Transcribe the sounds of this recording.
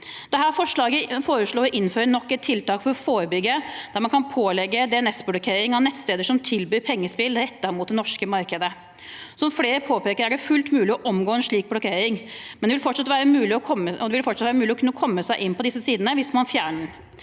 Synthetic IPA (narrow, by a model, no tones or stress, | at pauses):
d̪̥ɛɦæːɾfɔʂɭɑːɡəfoːɾəʂɭoːɾɔʔɪnːføːɾəɳɔkːɛt̪ʰːɪlt̪ɑːkfɔɾfoːɾəbʏɡːəd̪æɾmɑnkʰɑnpʰoːlɛɡːəd̪ɛɛnɛsblɔkʰeːɾɪŋɑʋnɛt̪ːst̪eːd̪əʂɔmt̪ʰɪlbyːɾpʰɛŋːəspɪlɾɛt̪ːɑɾmʊːt̪̚d̪ɛnɔʂkəmɑɾkəd̪ə | sɔmfleːɾəpʰoːpeːkəɾæɖɛfʉlt̪mʉːlɪɔʔɔmɡoːɛnʂɭiːk̚blɔkʰeːɾɪŋmɛnd̪ɛʋɪlfɔʈʂɑt̪ʋæːɾəmʉːlɪɔkʰɔməɔd̪ɛʋɪlfɔʈʂɑt̪ʋæːɾəmʉːlɪɔkʰʉnːəkʰɔmːəsæɪʔɪnːpʰɔd̪ɪsːəsiːd̪ənəʋɪsmɑnfjæːɳəɾ